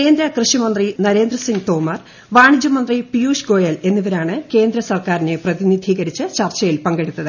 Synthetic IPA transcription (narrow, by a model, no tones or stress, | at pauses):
ke̞ːnd̪ɾɐkrɨʂimɐnd̪rinɐɾe̞ːnd̪rɐsiŋɡt̪o̞ːmɐr | ʋaːɳid͡ʑɐmɐnd̪ripijuːʂɡo̞ːjɐle̞nːiʋɐɾaːɳɨke̞ːnd̪ɾɐsɐrkaːɾine̞prɐðinid̪ʱiːɣɐɾit͡ɕːɨt͡ɕɐrt͡ɕɐjilpɐŋɡeɽut̪ːɐðɨ